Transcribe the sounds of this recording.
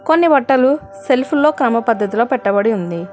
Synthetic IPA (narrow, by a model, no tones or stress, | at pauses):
konːiʋɐʈːɐlu | se̞lpʰuloːkɾɐmɐpɐd̪ʱːɐt̪ilo̞ːpɛʈːɐbɐɽiund̪i